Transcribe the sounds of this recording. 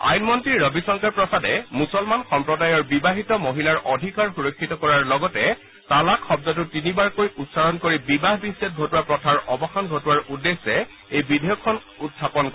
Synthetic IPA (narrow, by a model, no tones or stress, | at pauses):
a̰jnmɔntɹiɹɹɔbisɔŋkaɹpɹɔsadɛmusɔlmanxɔmpɹɔdajɔɹbibaɦitɔmoɦilaɹʔɔdʱikaɹxuɹɔkʰːitɔkɔɹaɹlɔɡɔtɛ | talakʰːɔb̚dɔt̬ʊtinibaɹkojutsaɹɔnkoɹibibaɦbisːɛt̚ɡʱotuwapɹɔtʰaɹɔbɔxanɡʱotuwaɹudesɛ | ejbidʱɛjɔkʰːɔn | utʰːapɔnk